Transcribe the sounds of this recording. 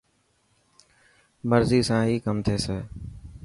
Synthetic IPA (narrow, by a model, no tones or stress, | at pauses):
məɾziːsãːɦiːkəmt̪ʰeːseː